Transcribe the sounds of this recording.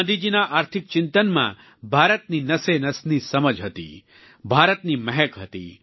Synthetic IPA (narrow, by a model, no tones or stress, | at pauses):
əd̪id͡ʒinaʔaːɾt̪ʰɪk̚t͡ʃɪnt̪ənmã̰ | bʱaɾət̪ninəsenəsnisəməd͡ʒɦət̪ḭ | bʱaɾət̪niməɦɛkɦət̪ḭ